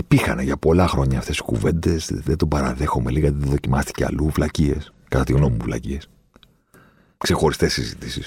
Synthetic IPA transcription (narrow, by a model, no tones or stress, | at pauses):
ipixɐ̰neʝɐpo̞lɐxɾo̞ɲɐːft̪e̞si̥kṵve̞nd̪e̞sðet̪obɐɾɐðe̞xo̞meliɣɐt̪iðeðo̞cimɐst̪i̥ce̞ɐ̰luvlɐcie̞s | kɐt̪ɐt̪iɣno̞muuvlɐ̰cie̞s | kse̞xo̞ɾist̪e̞sizit̪isis